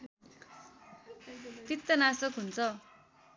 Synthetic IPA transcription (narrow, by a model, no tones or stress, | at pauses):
t̪it̪ːʌnasʌkɦunt͡sʰʌ